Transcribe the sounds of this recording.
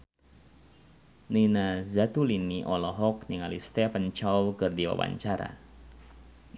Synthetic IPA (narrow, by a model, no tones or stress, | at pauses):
ninazat̪ulinːiʔɔlɔɦɔkniŋalist̪ɛpənt͡ʃawkɨrdiwa̰wa̰ɲt͡ʃaɾa̰